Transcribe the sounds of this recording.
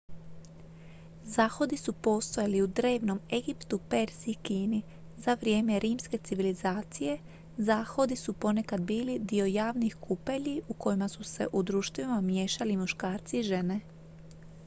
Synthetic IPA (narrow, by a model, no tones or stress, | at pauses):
zaːxo̞d̪isupo̞ːst̪ojaliud̪ɾe̞ːʋno̞me̞ɡipt̪upe̞ɾz̥ikiːni | zaʋɾje̞ːme̞ɾʔiːmske̞t̪siʋilizaːt̪sije̞ | zaːxo̞d̪isupo̞ne̞kad̪biːlid̪io̞jaːʋnixkʰupe̞ʎiʔuko̞jimasuse̞̰ʔud̪ɾuːʃt̪ʋimamje̞ːʃalimuʃkaːɾt̪siʒe̞ne̞